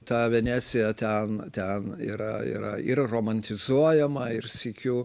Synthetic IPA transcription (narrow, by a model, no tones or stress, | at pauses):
t̪ɑːʋʲɛnʲæːsʲɪjɛt̪ʲɛnt̪ʲɛnḭːɾɐḭːɾɐɪrroːmɐnʲt̪ʲɪzuɔjɛmɐɪrsʲɪkʲuː